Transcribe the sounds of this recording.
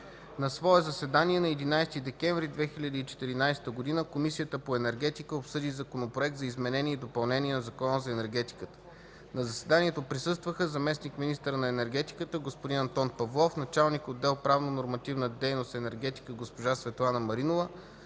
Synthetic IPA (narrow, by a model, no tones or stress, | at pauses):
nɐsvɔɛzɐsɛd̪aniɛnɐɛd̪inajst̪id̪ɛkʲɛɱvɾid̪vɛxiʎʲɐd̪iːt͡ʃɛ̥t̪iɾinajsɛ̥t̪əɡod̪inəkomisijət̪əpoɛnɛɾɡɛt̪ikəopsɤd̪izɐkonopɾoɛk̚t̪zɐizmɛnɛniɛid̪opɐlˠnɛniɛnɐzɐkɔnəzɐɛnɛɾɡɛt̪i̥kət̪ə̥ | nɐzɐsɛd̪aniɛt̪opɾisɤst̪vəxəzɐmɛsnikminist̪əɾənɐɛnɛɾɡɛt̪ikət̪əɡospod̪inɐnt̪ɔnpɐvlˠɔfnɐt͡ʃalˠnikod̪ːɛlˠpɾavnonoɾmɐt̪ivnəd̪ɛjnost̪ɛnɛɾɡ̟ɛt̪i̥kəɡospoʒasvɛt̪lˠanəmɐɾinovə